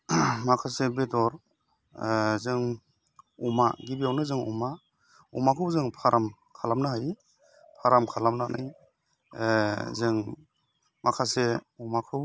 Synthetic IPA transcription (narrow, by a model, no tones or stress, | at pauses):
makʰasebedɔɾ | zɯŋ | umaɡibijawnɯzɯŋṵma | ṵmakʰɯwzɯŋpʰaɾʔam | kʰalamnɯɦaj | pʰaɾamkʰalamnanʔɯ̰j | zɯŋ | makʰaseumakʰɯw